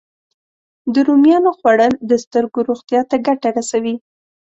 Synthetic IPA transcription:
d̪əɾumjɑnoxwaɽənd̪əst̪əɾɡoɾoɣt̪jɑt̪aɡaʈaɾasawi

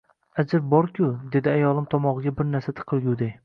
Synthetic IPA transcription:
ad͡ʒɪɾbɒɾkʰʲʊd̪e̞d̪ɪajɒlˠɪmt̪ʰɒmɒʁɨɡʲabɪɾnæɾsat̪ʰɨ̥qʰɨlˠɡʲuwd̪aj

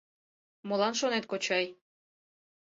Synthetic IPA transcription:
molˠɑnʃonet̪̚kot͡ɕɑj

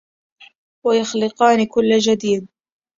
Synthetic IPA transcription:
wajɑxlɪqɑːnɪkʊlːad͡ʒad̪iːd̪̚

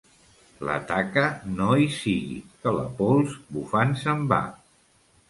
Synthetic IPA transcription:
lə̰t̪akənoisiɣḭkələ̰polˠzbufansəmba̰

